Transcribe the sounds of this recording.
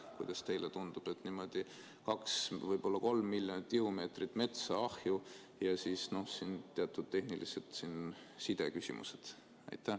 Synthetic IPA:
kujd̪̥ɑst̪e̞jlet̪und̪̥ub̥e̞t̪ːˑnimo̞d̪̥i | kɑksvɤjb̥o̞lːɑko̞lmːilʲːjonit̪ːˑkiume̞ːt̪rit̪ːˑme̞t̪sɑɑhju | jɑsiːsno̞hsint̪eɑt̪ːˑud̪̥̚t̪ːe̞hniliset̪sin | sid̪̥e̞̰kysḭmʔṵse̞d̪̥ | ɑ̰jt̪ːˑæ

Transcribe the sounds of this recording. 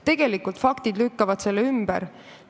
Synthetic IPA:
t̪e̞ɡ̥e̞likːˑult̪fɑkt̪id̪lykːɑvɑd̪̥se̞lːeymb̥ɛ̰ɾ

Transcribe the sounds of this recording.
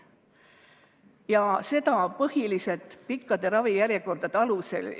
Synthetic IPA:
jɑse̞d̪̥ɑpɤhilise̞t̪ˑpikːɑd̪̥e̞ɾɑvijæɾjeko̞rd̪̥ɑd̪ɑluse̞̰l

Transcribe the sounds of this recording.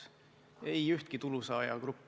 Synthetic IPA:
ejyht̪̚kit̪ulusɑːjɑ̰kɾupː

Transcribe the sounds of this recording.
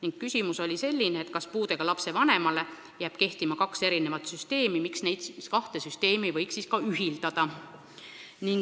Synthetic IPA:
niŋɡ̥kysʲimuso̞lʲise̞lʲːineːt̪̚ˑkɑspuːd̪e̞ɡ̥ɑlɑpse̞vɑne̞mɑle̞ | jæːb̥ke̞ht̪imɑkɑkse̞ɾine̞vɑt̪syst̪e̞ːmimiksne̞jd̪̥skɑht̪e̞syst̪e̞ːmivɤjksiskɑyɦild̪ɑd̪̥ɑ | niŋ

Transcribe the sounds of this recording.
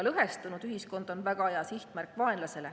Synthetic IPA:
lɤɦe̞st̪unud̪yɦisko̞nd̪̥o̞nvæɡ̥ɑejɑsiht̪mærkːˑvɑenlɑse̞le̞

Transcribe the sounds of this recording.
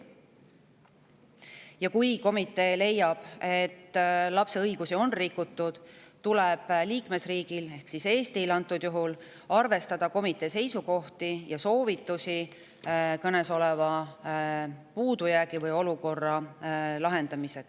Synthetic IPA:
jɑkujko̞mit̪ːˑe̞ːle̞jːɑb̥e̞t̪ːlɑpse̞ɤjɡ̥usio̞nrikːˑut̪ːud̪̥t̪ulɛb̥liːkme̞sriːɡ̥ile̞hksise̞ːst̪ilɑnt̪ːˑud̪̥juɦul | ɑrve̞st̪ɑd̪̥ɑko̞mit̪ˑːe̞se̞jsuko̞ht̪ijɑso̞ːvit̪ːˑusi | kɤne̞so̞lɛvɑ | puːd̪ujæːɡivɤjo̞luko̞rːɑlɑɦe̞nd̪̥ɑmise̞d̥̪

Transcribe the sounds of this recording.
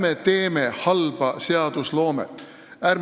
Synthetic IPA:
met̪e̞ːme̞hɑlb̥ɑse̞ɑd̪̥uslo̞ːmḛ | æːɾm

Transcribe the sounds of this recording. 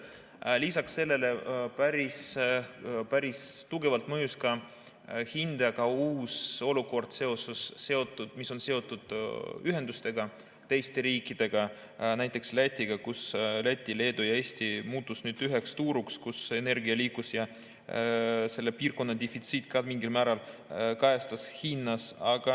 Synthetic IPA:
lisɑksːe̞lːe̞le̞pæɾis | pæɾist̪uɡ̥e̞vɑlt̪mɤjuskɑ | hind̪̥ɑkɑuːso̞luko̞rd̪̥se̞o̞susːe̞o̞t̪ːˑud̪̥miso̞nse̞o̞t̪ːˑud̪̥yɦe̞nd̪̥ust̪e̞ɡ̥ɑ | t̪e̞jst̪e̞ɾiːkːˑid̪̥e̞ɡ̥ɑ | næjt̪ːˑekslæt̪ʲˑːiɡ̥ɑkuslæt̪ʲˑːile̞ːd̪ujɑeːst̪imuːt̪ːˑusnyːd̪̥yɦekst̪uːɾukskuse̞ne̞rɡiɑliːkusjɑ | se̞lːe̞piːrko̞nːɑd̪efit̪siːt̪ˑkɑmiŋɡilmæːɾɑlkɑjɑst̪ɑshinːɑsɑɡ̥ɑ

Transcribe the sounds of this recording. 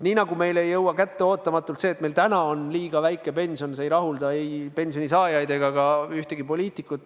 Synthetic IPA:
niːnɑɡume̞jle̞jːɤwːɑkæt̪ːe̞o̞ːt̪ːˑɑmɑt̪ːˑult̪seːet̪me̞lt̪ænɑo̞nliːɡ̥ɑvæjkːˑe̞pe̞nʲsio̞nsejɾɑɦuld̪ɑejpe̞nsjonʲisɑːjɑjd̪e̞ɡ̥ɑɡ̥ɑyht̪e̞ɡ̥ipo̞lʲiːt̪ˑikːˑut̪ˑː

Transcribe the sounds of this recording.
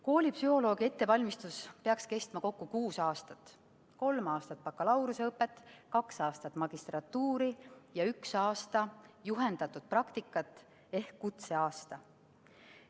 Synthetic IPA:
ko̞ːlʲipsyhɦo̞lo̞ːɡ̥ie̞t̪ːe̞vɑlʲmist̪uspeɑkske̞st̪mɑko̞kːukuːsɑːst̪ɑt̪ː | ko̞lmɑːst̪ɑt̪̚pɑkːˑɑlɑwɾuseɤpːe̞t̪ːˑkɑksɑːst̪ɑt̪ːˑmɑɡ̥ist̪rɑt̪ːuːɾijɑyksɑːst̪ɑjuɦe̞nd̪̥ɑt̪ːud̪̥̚prɑkt̪ikːˑɑt̪ːˑ | e̞hkːut̪se̞ɑːst̪ɑ

